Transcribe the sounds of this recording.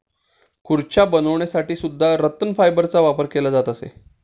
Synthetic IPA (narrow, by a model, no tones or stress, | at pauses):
kʰuɾt͡ɕabənəʋɳjasaʈiːsud̪ʱːaɾət̪ənfajbəɾt͡saʋapəɾkelad͡zat̪əsḛ